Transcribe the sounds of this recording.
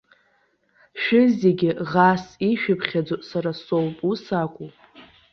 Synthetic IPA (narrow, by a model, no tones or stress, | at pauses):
ʃᶣɪzeɡʲɪʁasiʃᶣɪpʰχʲad͡zosaɾasowpʼusakʷʼu